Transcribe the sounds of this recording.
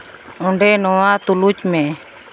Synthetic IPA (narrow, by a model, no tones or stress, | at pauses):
ɔɳɖɛnɔwat̪ulut͡ʃmɛ̃